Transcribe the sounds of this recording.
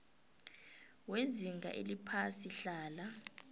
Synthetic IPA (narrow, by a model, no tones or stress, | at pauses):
weziŋɡʱa̰ʔelipʰasiɬaːla